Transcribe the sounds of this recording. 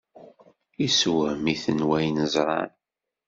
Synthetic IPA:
iswmiθənwæjnəzˤɾˤɑ̰n

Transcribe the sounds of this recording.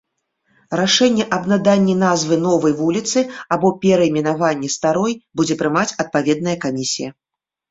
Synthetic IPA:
ɾaʂɛnʲːɛʔɐbnad̪anʲːɛnazvɨn̪ɔvɐjvulʲit̪sɨabɔpʲɛɾɐimʲinavanʲːɛst̪aɾɔjbud͡zʲɛpɾɨmat͡sʲɐt̪̚pavʲɛd̪̚nɐjɐkamʲisʲijɐ

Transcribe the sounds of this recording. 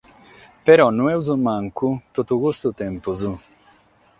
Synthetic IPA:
peɾɔnuɛwzumaŋkut̪ot̪uɣust̪ut̪ɛmpuzu

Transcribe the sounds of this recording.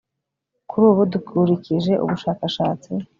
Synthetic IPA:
kuɾuːβudukuɾiciʒe̞ʔṵβuʃaːkaʃaːt͡si

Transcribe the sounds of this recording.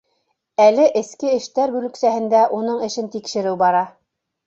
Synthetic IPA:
ælɘʔɘ̆skɘɘ̆ʃt̪æɾbʉlɘ̆ksæhɘ̆nd̪æʔunɤɴɘ̆ʃɘnt̪ikʃɘ̆ɾɘwbɑɾɑ

